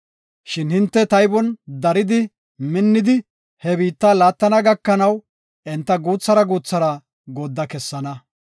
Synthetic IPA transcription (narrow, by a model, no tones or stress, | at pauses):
ʃɪnhɪnt̪ːɛt̪ɐjbɔnd̪ɐɾɪd̪ɪ | mɪnːɪd̪ɪ | hɛbiːt̪ːaːlaːt̪ːɐnɐɡɐkːɐnɐw | ɛnt̪ːɐɡuːt͡sːɐɾɐɡuːt͡sːɐɾɐ | ɡod̪ːɐkɛsːɐnɐ